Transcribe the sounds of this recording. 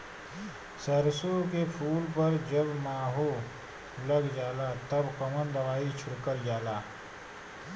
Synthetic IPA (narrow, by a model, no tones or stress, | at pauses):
səːɾsokepʰuːlpəɾd͡ʒəbmaːɦo | ləɡd͡ʒaːlat̪ɐbkɐmənɾɐʋaːit͡ʃʰʊɽkəld͡ʒaːlaː